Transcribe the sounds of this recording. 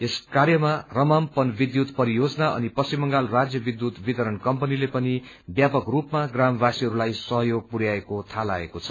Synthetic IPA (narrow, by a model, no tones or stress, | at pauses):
eskarjʌmarʌmampʌnbid̪jut̪pʌɾijod͡zʌnaʔʌ̰nipʌst͡simʌŋɡalrad͡zjʌbid̪jut̪bit̪ʌɾʌnkʌmpʌnilepʌni | bjapʌkrupmaɡramʌbasiɦʌɾulajsʌɦʌjoɡ̚puɾjaekot̪ʰala̰ḛkot͡sʰʌ̥